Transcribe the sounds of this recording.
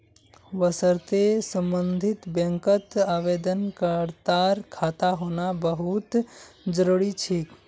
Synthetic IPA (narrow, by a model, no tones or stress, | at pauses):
ʋəsəɾt̪esə̃mbənd̪ʱit̪bə̃ŋkət̪aβed̪ənkəɾt̪aɾkʰat̪aɦonabəɦut̪d͡ʒəɾuɾit͡ʃʰik